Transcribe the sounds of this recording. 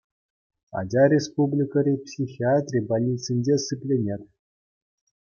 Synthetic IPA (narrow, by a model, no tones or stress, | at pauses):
ɑ̰d͡ʑʲɑrʲespublʲikəɾʲepsʲixʲiat̪ʲrʲibalʲnʲit͡sʲinʲd͡ʑʲesɨpʲlʲenʲet̪ʲ